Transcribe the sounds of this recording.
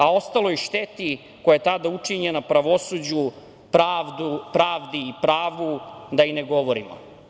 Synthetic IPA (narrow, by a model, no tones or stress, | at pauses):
ao̞st̪alo̞iʃt̪et̪i | kojajet̪ad̪aut͡ʂiɲenapɾaʋo̞sud͡ʑu | pɾaːʋd̪upɾaːʋd̪iːpɾaːʋd̪ud̪aineɡo̞ʋoɾimo̰